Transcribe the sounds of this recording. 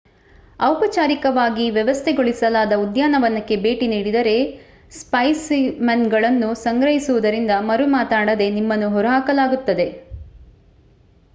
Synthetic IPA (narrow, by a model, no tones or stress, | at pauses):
ɐwpɐt͡ʃaːɾikɐʋaːɡiʋjɛʋɐst̪ʰeɡoɭisɐlaːd̪ɐud̪jaːnɐʋɐnːɐkːe̞be̞ːʈiniːɽid̪ɐɾe̞ | spɐjsmɐnɡɐɭɐnːusɐŋɡɾɐɦisuʋud̪ɐɾind̪ɐmɐɾumaːt̪aːɽɐd̪e̞nimːɐnːuɦɔɾɐɦaːkɐlaːɡut̪ːɐd̪e̞